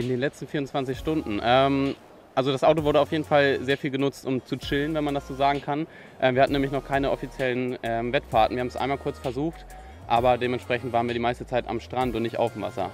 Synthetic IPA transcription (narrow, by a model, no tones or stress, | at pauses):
ʔɪndeːnlɛt͡stn̩fiːʁʊnt͡sv̥ant͡sɪçʃtʊndn̩ʔɛːm | ʔalzodasʔaʊt̬ovʊɐɾəaʊfjeːdn̩falzeːɐfiːlɡənʊt͡stʊmt͡sut͡ʃɪlənvɛnmandasz̥oːzaːɡŋ̩kʰan | ʔɛːmviːɐhatn̩nɛːmɪçnɔχkʰaɪnəʔɔfit͡sjɛlənʔɛːmvɛtfaɐtn̩viɐhabmsʔa̰ɪnmalkʰʊɐt͡sfɛɐzuːxt | ʔaːbɐdeːmɛntʃpʁ̥ɛçn̩tv̥aːʁnviːɐdimaɪstət͡saɪta̰mʃtʁ̥antʊntnɪçtʔa̰ʊfmva̰sɐ̰